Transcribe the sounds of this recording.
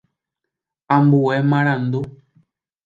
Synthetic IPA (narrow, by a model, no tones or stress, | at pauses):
ambuwɛmãɾand̪o